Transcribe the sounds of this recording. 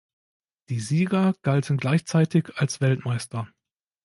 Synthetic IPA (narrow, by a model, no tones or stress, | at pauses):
d̥iːziːɡɐɡ̥altən̩ɡlaɪçt͡saɪtɪçalsv̥ɛltmaɪstɐ